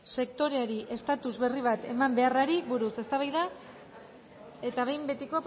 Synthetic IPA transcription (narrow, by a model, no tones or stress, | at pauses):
se̞kt̪o̞ɾe̞aɾiʔe̞st̪at̪uzβe̞riβ̞at̪e̞mambe̞araɾiβuɾuse̞st̪aβajða | e̞t̪aβe̞jmbe̞t̪iko̞p